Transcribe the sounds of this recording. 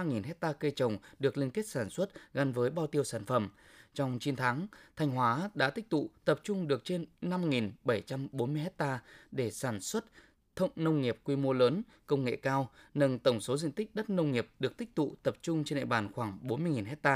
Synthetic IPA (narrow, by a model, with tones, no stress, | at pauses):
a˧ŋi˨˩nɦɛ˦˥t̚t̪aː˧kə˧t͡ɕə˨˩wŋ͡mɗɨ˨˩ək̚lï˧ŋt̪i˦˥t̚saː˧˩nswə˦˥t̚ɣa˨˧˦nvəː˨˦jɓaː˧wt̪i˧əwsaː˧˩nfə˧˩m | t͡ɕɔ˧wŋ͡mt͡ɕi˨˧˦nt̪ʰaː˨˦ŋt̪ʰa˧jŋ̟ɦwaː˨˦ɗa̰ː˧˥t̪ï˦˥k̟̚t̪ṵ˧˨t̪ə˨˩p̚t͡ɕʊ˧ŋ͡mɗɨ˨˩ək̚t͡ɕe˧nːa˧mŋi˨˩nɓə˧˩jt͡ɕa˧mɓo˨˦nmɨ˧əjɦɛ˦˥t̚t̪aː˧ɗe˧˩saː˧˩nswə˦˥t̚ | t̪ʰə̰˧˨wŋ͡mnə˧wŋ͡mŋi˨˩əp̚kwi˧mo˧ləː˨˦n | kə˧wŋ͡mŋḛ˧˨kaː˧wnə˧nt̪ə˧˩wŋ͡mso˨˦zḭ˧˨nt̪ï˦˥k̟̚ɗə˦˥t̚nə˧wŋ͡mŋi˨˩əp̚ɗɨ˨˩ək̚t̪ï˦˥k̚t̪ṵ˧˨t̪ə˨˩p̚t͡ɕʊ˧ŋ͡mt͡ɕnɗḛ˧˨ɓaː˨˩nxwaː˧˩ŋɓo˨˦nmɨ˧əjŋi˨˩nɦɛ˦˥t̚t̪aː˧